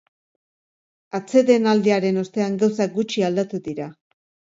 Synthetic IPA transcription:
at͡se̞ðe̞nald̪eaɾe̞no̞st̪e̞aŋɡawsaɡut͡ʃiald̪at̪uðiɾa

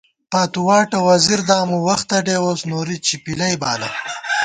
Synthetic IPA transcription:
paːt̪uwɑːʈɐwɐziɾd̪aːmuwɐxt̪ɐɖeːoːsnoɾit͡ʃipilɐjbaːlɐ̰

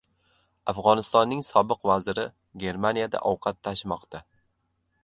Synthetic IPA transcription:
afʁɒnɪst̪ɒnːɪŋsɒbɨqvazɪɾɪ | ɡʲe̞ɾmanijad̪a̰ʔɒwqʰat̪ʰːaʃɪmɒqt̪ʰa

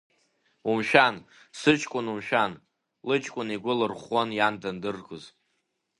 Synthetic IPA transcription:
umʃᶣan | sɨt͡ʃʼkʷʼʊnumʃᶣan | lɨt͡ʃʼkʷʼʊniɡʷʊlɨrχʷanjandandɨrɡʼoz

